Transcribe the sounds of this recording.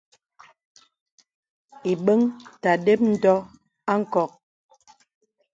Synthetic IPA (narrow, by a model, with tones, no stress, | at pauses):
i˨ɓə˦ŋta˨de˦p̚n̩˦dɔ˦ | a˦ŋ̩˨kɔ˨k̚